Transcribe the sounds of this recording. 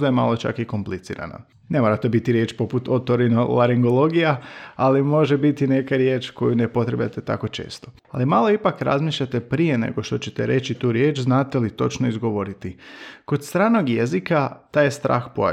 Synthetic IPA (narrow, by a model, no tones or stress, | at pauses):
d̪ajema̰lo̞t͡ʃa̰kiko̞mplit̪sḭːɾa̰na̰ | nemoːɾat̪ebit̪iɾje̞ːt͡ʃpo̞put̪o̞t̪oɾinolaɾiŋɡolˠo̞ɡijaalimo̞ʒebit̪ine̞kaɾje̞ːt͡ʃko̞junepo̞t̪ɾe̞bʎʲa̰t̪et̪a̰ko̞t͡ʃe̞̰ːst̪o̞ | alimalˠo̞ipakɾa̰zmiːʃʎat̪e̞pɾije̞ne̞̰ɡoʃt̪o̞t͡ɕe̞t̪e̞ɾe̞t͡ʃit̪uːɾje̞ːt͡ʃznaːt̪elit̪o̞t͡ʃnoizɡo̞ʋo̞ɾit̪iko̞d̪st̪ɾaːnoɡjezikat̪aːjst̪ɾʔa̰ːxpoa̰